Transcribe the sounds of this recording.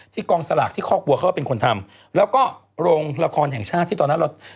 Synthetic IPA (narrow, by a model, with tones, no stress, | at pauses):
t̪ʰiː˥˩kɔː˧ŋsa˧la̰ː˨˩k̚t̪ʰiː˥˩kʰɔː˥˩ku˧əkʰa˦˥˩pe˧nkʰo˧nt̪ʰa˧m | lɛː˦˥wkɔː˥˩ | ɾoː˧ŋla˧kʰɔː˧nɦɛ˨˩ŋt͡ɕʰaː˥˩t̪ʰːiː˥˩t̪ɔː˧na˦˥ɾa˧w